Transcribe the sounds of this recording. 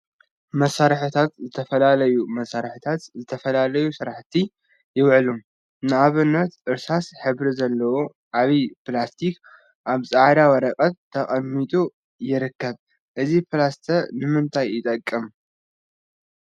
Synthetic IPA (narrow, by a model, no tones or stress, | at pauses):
mɐsaɾħɨt̪ʰat̪zɨt̪ʰɐfɐlalɐjumɐsaɾħɨt̪ʰat̪zɨt̪ʰɐfɐlalɐjusɨɾaħt̪ʰi | jɪwʕlum | nɨaβɨnːɐt̪ʔɨɾsasħɨβɾizɐlːɐwo | ʔaβipɨlast̪ʰik | ʔaβsʼaʕd̪awɐɾɐkʼɐt̪ʰːɐkʼɐmːit̪ʼu | jɪɾɨkːɐβ | ʔɨzipɨlast̪ʰɐnɨmɨnt̪ʰajːɪt̪ʼɐkʼːɨm